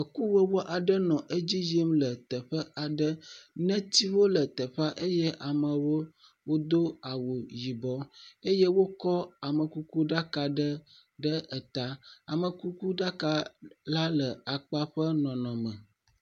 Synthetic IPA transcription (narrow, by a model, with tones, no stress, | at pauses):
ə˨ku˦wə˦wo˦ʔa˨ɖə˦nɔ̃˨ʔe˦d͡ʑi˦ji˦mlə˨t̪ə˨ɸə˦ʔa˨ɖə˦nɛ̃˦t̪i˦wo˦lə˨t̪ə˨ɸa˦ʔe˦jɛ˦ʔa˨mə̃˨wo˦ | wo˦d̪o˦a˨wo˨ji˨bɔ˦e˦jɛ˦wo˦kɔ˦a˨mə̃˨ku˦ku˦ɖa˦ka˨ɖə˦ | ɖə˦ʔɛ˨t̪a˦a˨mə̃˨ku˦ku˦ɖa˦ka˦la˦lə˨a˨k͡pa˦ɸə˦nɔ̃˨nɔ̃˨mə̃˨